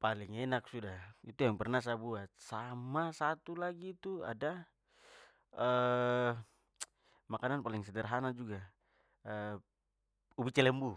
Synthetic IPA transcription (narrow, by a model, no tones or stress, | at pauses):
paliŋɛnak̚sudait̪ujaŋpɛrnas̬abuat̪̚samasat̪ulaɡiːt̪ua̰da | ə | makananpaliŋsɛdɛrɦanad͡ʒuɡa | ə | ubit͡ʃɛlɛmbu